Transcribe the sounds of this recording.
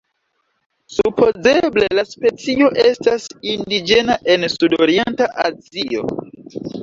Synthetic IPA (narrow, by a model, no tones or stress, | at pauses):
supʰo̞ze̞ble̞laspe̞t͡sio̞ʔe̞stasindid͡ʒe̞naʔe̞nsudoɾie̞ntaʔazio̞̰